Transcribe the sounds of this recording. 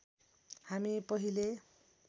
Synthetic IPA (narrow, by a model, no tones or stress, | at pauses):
hamipʌɦile